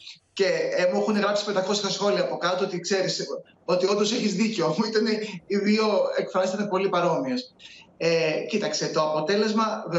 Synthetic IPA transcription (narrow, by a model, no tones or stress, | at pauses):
ce̞emuexuneɣɾɐpsi̥pet̪ɐko̞sɐsxo̞liɐːpo̞kɐt̪oot̪ikse̞ɾis | o̞t̪io̞nd̪o̞seçizðiceoit̪ɐne̞iðio̞ekfɾɐst̪et̪epo̞lipɐɾo̞miesecit̪ɐkst̪e̞t̪o̞ɐpo̞t̪e̞le̞zmɐð